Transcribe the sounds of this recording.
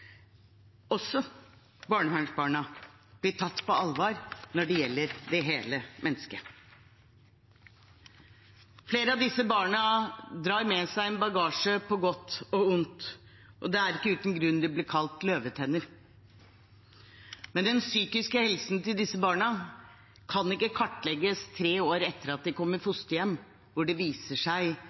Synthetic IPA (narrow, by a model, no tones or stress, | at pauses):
ɔsːɔ | bɑːɳəhæɳʂbɑːɳɑ | b̥lɪʈʰɑt̪ːpɔɑlʋɑːɾnɔɖɛjɛlːəɾd̪ɛɦeːləmɛnːəskə | fleːɾəɑʋd̪ɪsːəbɑːɳɑd̪ɾɑːɾmɛsæɪɛnbɑɡɑːʂəpʰɔɡɔt̪ːɔʊnt̪ | ʔɔd̪ɛæɾɪkːəʉːt̪ən̩ɡɾʉnːd̪ɪblɪːɾkʰɑlt̪løːʋət̪ʰɛnːəɾ | mɛnd̪ɛnsyːkɪskəhɛlsn̩t̪ɪld̪ɪsːəbɑːɳə | kʰɑnɪkːəkʰɑʈːlɛɡəst̪ʰɾeːoːɾɛt̪ːəɾɑt̪̚d̪ɛkʰɔmːəɾfʊst̪əjɛmː | ʋʊɖɛʋiːsəʂæɪ